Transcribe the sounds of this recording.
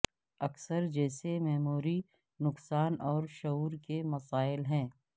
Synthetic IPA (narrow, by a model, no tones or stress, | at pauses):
ɐksəɾd͡ʒɛːsemɛɦmuːɾi | nʊksaːnɔːɾʃɐuːɾkemɐsaːɪlɦɛ̃ː